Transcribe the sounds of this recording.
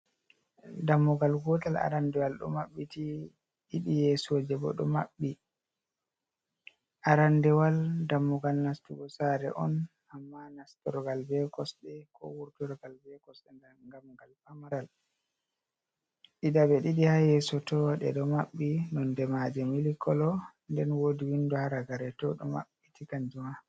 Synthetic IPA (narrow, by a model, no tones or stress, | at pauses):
damːuɡalɡɔtala̰ɾandɛwalɗɔ̰maɓːiti | ɗiɗijɛsɔd͡ʒɛbɔ̰ɗɔ̰maɓːi | ʔaɾandɛwaldamːuɡalnastuɡɔsaɾɛ̰ʔɔ̰n | amːanastɔɾɡalbɛkɔsɗɛkɔ̰wuɾtɔɾɡalbɛkɔsɗɛnaŋɡamɡalfamaɾal | ɗidabɛɗiɗihajɛsɔtɔɗɛ̰ɗɔmaɓːinɔndɛmad͡ʒɛmilikɔlɔ | ndɛnwodiwinduhaɾaɡaɾɛtɔɗɔma̰ɓːitʰikaɲd͡ʒuma